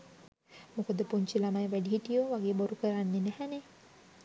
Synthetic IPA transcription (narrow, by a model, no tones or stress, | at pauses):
mokəd̪əpuɲt͡ʃilamajʋæɖiɦiʈijoʋaɡeːboɾukəɾanːenæhæne